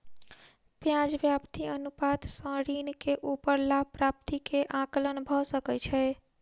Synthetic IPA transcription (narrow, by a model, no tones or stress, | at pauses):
pjad͡ʒʋjapt̪iənupat̪sə̃ɾinkeʔupəɾlapɾap̚t̪ikeʔãklənbʱɔsəkɛt͡ʃʰɛ